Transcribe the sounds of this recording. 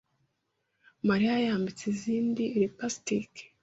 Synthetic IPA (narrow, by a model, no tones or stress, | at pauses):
maɾiajaːmbit͡seziːndiɾipastike̥